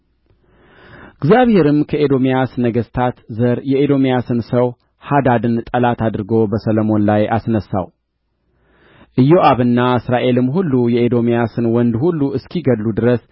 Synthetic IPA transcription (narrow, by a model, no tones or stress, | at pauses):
ɨɡziaβhe̞ɾɨmkʰəʔed̪o̞mijasɨnəɡəst̪ʰat̪zəɾjɛed̪o̞mijasɨnsəw | had̪ad̪ɨnt̪ʼəlat̪ad̪ɨɾɨɡo̞bəsələmo̞nlajasnəsːa̰w | ʔɨjːoʔaβɨnːaɨsɾaʔe̞lɨmɦulːujɛed̪o̞mijasɨnwɔnd̪hulːuɨskʰiɡəlːud̪ɨɾəs